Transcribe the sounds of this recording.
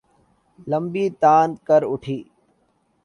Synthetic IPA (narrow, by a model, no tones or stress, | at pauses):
ləmbiːt̪aːnd̪kəɾʊʈʰiː